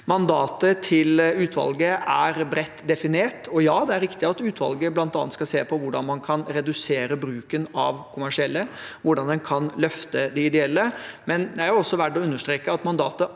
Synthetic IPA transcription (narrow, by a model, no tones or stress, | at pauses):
mɑnd̪ɑːt̪ət̪ʰɪlʉːt̪ʰʋɑ̰lɡəæɾbɾɛt̪ːd̪ɛfɪneːʈɔjɑːd̪ɛæɾɾɪkt̪ɪɑt̪ʉːt̪ʰʋɑ̰lɡəblɑnt̪ɑnːət̪skɑlseːpʰɔʋʊɖɑ̰nmɑnkʰɑnɾɛd̪ʉseːɾəbɾʉːkənɑ̰ʋkʰʊmæʂɪɛlːəʋʊɖɑnd̪ɛnkʰɑnlœft̪əd̪ɛɪd̪ɛɛlːəmɛnd̪ɛæɾjʊɔsːɔʋæɖɔʉnːəʂʈ̪ɾeːkəɑt̪mɑnd̪ɑːt̪ə